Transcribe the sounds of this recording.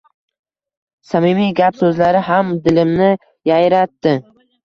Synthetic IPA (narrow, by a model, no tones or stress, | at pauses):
samɪmijɡʲapsɵzlaɾɪɦamd̪ɪlɪmnɪ | jajɾat̪ːɪ